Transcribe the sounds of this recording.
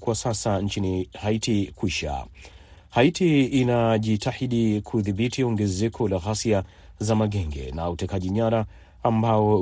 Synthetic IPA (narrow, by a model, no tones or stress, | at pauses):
kwasasant͡ʃinihaitikwiʃa̰ | haitiːnaʄitahiɗikʰuðiɓitʰiɔŋɡɛzɛkʰɔlaɣasia | zamaɠɛŋɡɛ̰nautɛkaʄiɲaɾaː | mbaɔ